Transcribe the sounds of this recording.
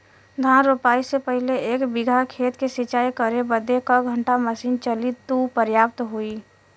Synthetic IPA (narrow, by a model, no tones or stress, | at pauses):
d̪ʱaːnɾopaːisepəɦɪleeːkbɪɡʱakʰeːt̪kesɪt͡ʃaːikəɾebəd̪ekaɡʱə̃ɳʈaməsiːnt͡ʃəlit̪upəɾjaːp̚t̪ɦui